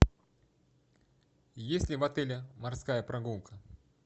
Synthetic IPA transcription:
jesʲtʲlʲɪvɐt̪ɛlʲɪmarskajəpɾɐɡulˠkʰə

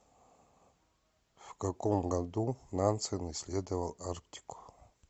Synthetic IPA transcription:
v̥kakʼomɡad̪unant͡sʰɨnɨislʲed̪ɐvɐlˠark̚tʲʰi̥kʷʰʼ

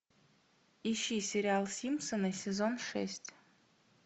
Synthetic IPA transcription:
iʃisʲeɾialˠsʲimsɨnɐsʲezonʂɛ̰sʲtʲʰ

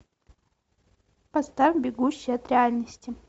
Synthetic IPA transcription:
pɐst̪avʲbʲɪɡuɕːɪjɐt̪ɾʲɪalʲnəsʲtʲɪ

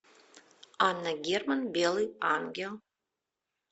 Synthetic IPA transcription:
anaɡʲermanbelianɡʲel

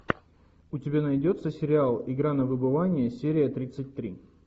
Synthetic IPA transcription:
ʊtʲɪbʲanɐjdʲo̞t̪səsʲɪɾʲɪalˠɪɡɾanəvɨbɨvanʲɪjəsʲeɾʲɪjət̪ɾʲit̪sɨt̚ʲt̪ɾʲi

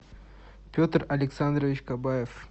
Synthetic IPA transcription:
pʲot̪rɐlʲɪksand̪ɾəvʲɪt͡ɕkabajef

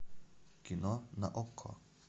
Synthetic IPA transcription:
kinona̰ʔokʰːo̰

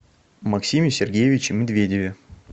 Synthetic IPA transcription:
mɐksʲimʲɪsʲɪrɡʲejɪvʲɪt͡ɕɪmʲɪd̪vʲedʲɪvʲɪ

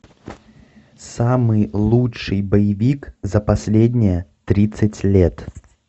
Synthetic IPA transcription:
samɨjlˠutt͡ʂʂɨjbəjɪvʲikzəpɐsʲlʲedʲnʲɪjət̪ɾʲit̪sɨtʲlʲet̪

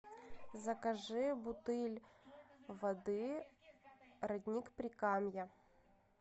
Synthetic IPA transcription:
zɐkɐʐɨbʊt̪ɨlʲ | vɐd̪ɨ | ɾɐd̪ʲnʲikpɾʲɪkamjɐ

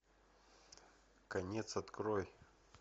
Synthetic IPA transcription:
kɐnʲet̪sɐt̪kɾoj

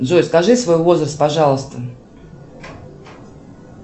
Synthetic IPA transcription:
ʐojʲskɐʐɨsvojvo̞zrəst̪̚pɐʐɑlˠəst̪ə

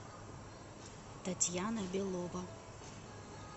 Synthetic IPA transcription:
t̪ɐt̪ʲjanɐbʲelˠɔʋɐ

